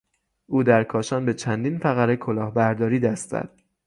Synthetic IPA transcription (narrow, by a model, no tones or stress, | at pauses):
ʔuːd̪æɾkʰɒːʃɒːnbe̞t͡ʃʰænd̪iːnfæɣæɾekʰo̞lɒːhbæɾd̪ɒːɾiːd̪æst̪æ̰d̪̥̚